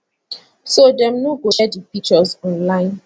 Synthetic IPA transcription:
sodɛ̃mnoɡoʃɛdipik̚t͡ʃəzɔ̃nlãɪ̃n

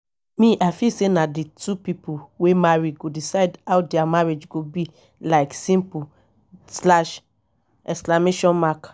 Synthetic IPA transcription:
mĩʔaɪfisenaditʰupipowemaɹiɡodisaɪdhawdɛamaɹed͡ʒɡobi | laɪksĩmpu | slaʃ | ɛsklameʃɔ̃nmak

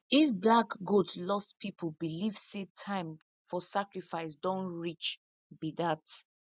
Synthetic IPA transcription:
ifblakɡudslɔstpʰipʰobilivsetʰãɪ̃m | fɔsakɹifaɪs̬dɔ̃nɹit͡ʃ | bidat

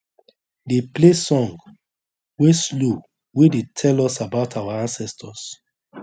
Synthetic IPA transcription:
deplesɔ̃ŋɡ | weslu | wedetʰɛlɔsabaʊtʰawaãnsɛstʰɔs

